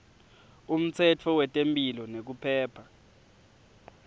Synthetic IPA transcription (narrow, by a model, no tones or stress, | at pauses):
um̩t͡sʰɛt͡fʰɔwɛtʼempʼilɔnek̬upʰɛːpʰa